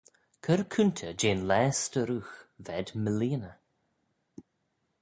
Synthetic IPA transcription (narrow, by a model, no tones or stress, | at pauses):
kʰəɾkʰʉnt̪ʰəd͡ʒeːnlɛːstəɾuːxvɛd̪məliːnə